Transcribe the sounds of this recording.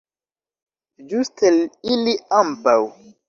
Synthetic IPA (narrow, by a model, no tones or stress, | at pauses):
d͡ʒusteliliampaw